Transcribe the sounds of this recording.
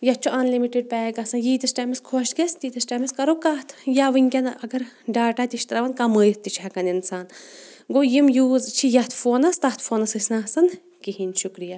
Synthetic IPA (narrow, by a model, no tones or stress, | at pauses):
jɐt͡ʃʰuʔɐnlimiʈiɖ̚pɛːɡɐsɐnjiːt̪ɐsʈaːmiskʰoʃɡest̪it̪ɐsʈamiskɐɾokat̪ʰjaːʋɨŋʲkʲɐnɐɡɐɾ | ɖaːʈaːt̪iʃt̪ɾɐʋɐnkɐmɨjt̪ːit͡ʃʰɐkɐninsaːn | ɡoːjimjuːzt͡ʃʰijɐt̪ʰfoːnɐst̪ɐt̪ʰfoːnɐsɨsʲnasɐn | kiɦinʲʃukɾija